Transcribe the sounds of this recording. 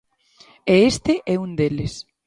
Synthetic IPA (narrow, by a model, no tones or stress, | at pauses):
eest̪eʔɛund̪eles